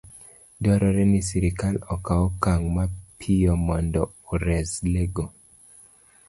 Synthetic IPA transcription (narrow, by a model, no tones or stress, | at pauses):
dɔɾɔɾɛnisiɾikalɔkaɔkaŋmapʰiɔmɔndɔ | uɾɛsleɡo